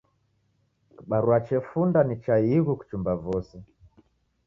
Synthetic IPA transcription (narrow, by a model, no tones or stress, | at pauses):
kiɓaɾuat͡ʃɛfundanit͡ʃaiɣuku̥t͡ʃumbavɔsɛ